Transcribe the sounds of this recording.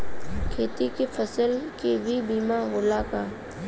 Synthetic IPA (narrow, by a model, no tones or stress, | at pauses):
kʰeːt̪ikefʰɐsəlkebʱibiːmaɦʊːlakaː